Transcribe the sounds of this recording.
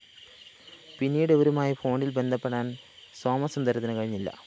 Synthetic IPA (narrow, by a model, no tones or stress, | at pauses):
pinːiːɽɨʋoɾumaːjifʰo̞ːɳɖilbe̞nd̪ʱɐpːeɽaːnsoːmɐsɐnd̪ɐɾt̪ːɐnɐkɐɻiɲːilːɐ̰